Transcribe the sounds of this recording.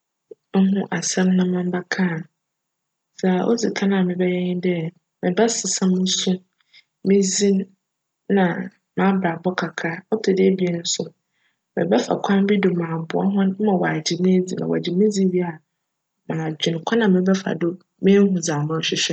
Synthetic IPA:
ɦʊ̃˦ʔa˨sɛ̃˦mnã˦mã˦m˦ba˦kʰa˦˨ | sa˨ʔo̰˦d͡zi˨kʰa˦nã˨mɪ̃˨bɛ˦jɛ˦ɲɪ̃˦n˦dɛ˦˨ | mɪ̃˨bɛ˦sɪ˨sã˦mːʊ̃˦sʊ̃˦ | mɪ̃˦zĩ˦n | nã˨ | mã˨˦bɾa˨bɔ˦kʰa˨kʰa˦ɔ˦tʰʊ˨dɪ˦e˦bi˨ɛ˦nʊ̃˦sʊ˦ | mɪ̰̃˨bɛ˦fa̰˨kʷʰã˦m˦bi˦dʊ˨mãː˨bʊ˨a̰˦ɦʊ̃˦mã˨wa˨d͡ʑɪ˨mẽ˦d͡zi˨nã̰˨wɔ̰˨a˨d͡ʑɪ˨mɪ̃˦d͡zi˦bi˦a˨ | mãː˨d͡ʑᶣɪ̃˨n˨kʷʰa˦nã˨mɪ̃˨bɛ˦fa̰˨dʊ˦ | mɪ̃˦ɦʊ̃˨d͡zaː˨mʊ̃˦ɔ˦ɕᶣɪ˦ɕᶣɛ˦

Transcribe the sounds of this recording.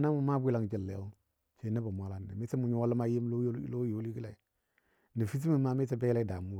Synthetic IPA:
na˦mu˨ma˦bʷi˦la˦ŋd͡ʒi˨lːḛ˨˦u˦ | t͡ʃe˨˦nə˦ba˨mʷ˨a˨la˦nːḛ˨me˦ti˦mu˨ɲu˦wa˦lma˦ji˦m˦lo˦jo˨li˦ki˦la˨i˨ | ni˨fi˦t̬i˦mi˦˨ma˦me˦te˦be˦la˦i˦da˨mu˦˨

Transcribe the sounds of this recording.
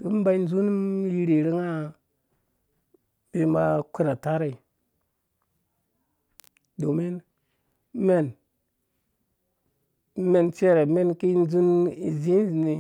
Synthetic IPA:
du˨˦m˦ba˦i˦n˦d͡ʒu˦n˦mji˦ɾe˨ɾi˦ŋa˦ | be˦ma˦ku˦ɾa˨ta˦ɾa˨i˨ | do˨me˦n˦ | me˦n | me˦˨nt͡ʃe˦ɾe˨me˦nki˦n˦zu˦ni˨zi˦n˦zi˨ni˨

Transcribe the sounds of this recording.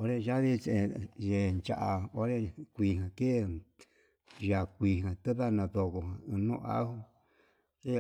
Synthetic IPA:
o˧˦ɾe˦ʒa˦βi˦t͡ʃe˨˧˨je˧nt͡ʃa̰˧ʔa˨o˧˦ɾe˦kʷi˧˨ɦã˨ke˦˨ | ja˨kʷi˨ɦã˨t̪ɨ˦βa˦˧nã˧ðo˧ko˨hã˨ɨ̃˧nṵ̃˦˧a̰˦hu˦ | ke˦˨

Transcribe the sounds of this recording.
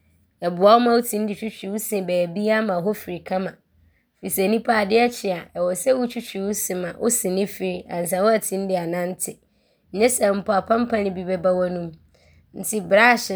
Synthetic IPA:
ɛ˨bʊ˨a˦wɔ˦mã˦wʊ˦tʰĩ˨n˦dɪ˨t͡ɕᶣʰu˦t͡ɕᶣi˨wʊ˦sɪ̃˨bɛː˨bi˦a˦mã˨ɦɔ˦fɪ˨ɾi˨kʰã˦mã˨ | fi˨sæ˨nĩ˦pʰa˦˨dɪ˦ɛ˦t͡ɕʰɪ˨a˨ʔɛ˨wɔ˨sɛ˦wʊ˦t͡ɕʰᶣu˦t͡ɕᶣi˨wʊ˦sɪ̃˨mã˨ʔʊ̰˦sɪ̃˨nɪ̃˦fɪ˨˦ɾi˨ã̰˨n˨s̬ã˨˦wʊ˦æ˨tʰĩ˦n˦dɪ˨a˨nã˦n̩˦tʰɪ˨ | ɲ̩˨ɲɛ̃˦sɛ˨m̩˦pʰʊ˨a˨pʰã˦m˦pʰã˦nɪ̃˦bi˨bɛ˦ba˦wɔ˦nũ˦m | n̩˨tʰɪ˦bɾa˦˨ɕɪ˨

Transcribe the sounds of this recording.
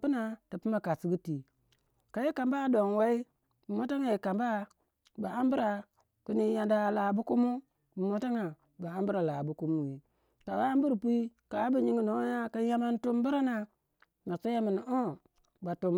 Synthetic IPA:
pi˦na˨ti˨pi˦ma˨ka˨si˦ɡi˦ti˨ | ka˨ji˦ka˨mba˦˨do˨ŋwa˦i˦ | bu˨mo˦ta˦ŋa˨ji˨ka˨mba˦ | ba˨a˦m˦bu˦ɾa˨ | ku˦ni˦ja˨nda˦˨la˨bu˦ku˦mu˦ | bu˨mo˦ta˦ŋa˨ | ba˨a˦mbu˦ɾa˨la˨bu˦ku˦mu˦ji˨ | ka˨wa˦m˦bu˦ɾpi˦ | ka˨˦bu˨ɲi˦ŋi˨no˨˦ja˦ka˦ja˦ma˦ntu˦mbi˦ɾa˦na˨ | ma˨si˦ja˦ma˨n˨o˦ | ba˨tu˨m

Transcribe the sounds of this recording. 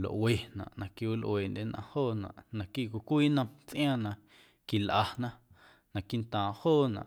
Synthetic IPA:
lo̰˨ʔwe˨nã̰˨ʔnã˨ki˧˨wi˦lʔweː˨nde˦nʔã̰˧hoː˦˨nã̰˨ʔnã˧˨ki˦˨kʷi˨kʷiː˦˨nã˧t͡sʔj̃ãː˦nã˧ | ki˨lʔa˧nã˦ | nã˨ki˦˨nt̪ãː˨hoː˦˨nã̰˨ʔ

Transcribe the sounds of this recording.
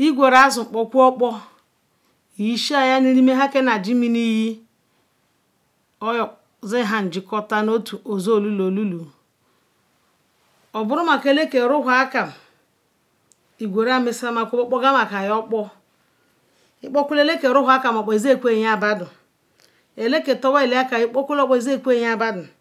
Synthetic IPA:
i˦ɡʷe˨ɾa˦zʊ˨ŋ͡m̩˨k͡pɔ˦kʷu˦ɔ˦k͡pɔ˦˨ | ji˦ʃi˦a˨ja˦ni˦ɾi˦me˦ɦa˦ke˦na˨d͡ʒi˦mi˦ni˦ji˦ | ɔ˦jɔ˨k | zɪ˦ɦa˨n̩˨d͡ʒɪ˨kɔ˦ta˦no˦tu˨o˨zo˦o˨lu˦lo˨lu˦lu˨ | ɔ˨bʊ˦ɾʊ˦m˦a˨ke˦le˦ke˨ɾʊ˦ɦa˦ka˨m̩˨ | i˨ɡʷe˨ɾa˦mɪ˦sa˦ma˦kʷu˦bɔ˦k͡pɔ˦ɡa˦m˦a˨ka˨jɔ˦k͡pɔ˦ | ɪ˦k͡pɔ˦kʷu˦le˦le˦ke˨ɾʊ˦ɦa˦ka˨m˨ɔ˨k͡pɔ˨i˨ze˦˨kʷe˦˨ɲ˦a˦˨ba˦dʊ˨ | e˨le˦ke˨tɔ˦bɔ˦e˨li˦a˦ka˨ji˦k͡pɔ˦kʷu˦lɔ˦k͡pɔ˨i˨ze˦˨kʷe˦˨ɲ˦a˦˨ba˦dʊ˨

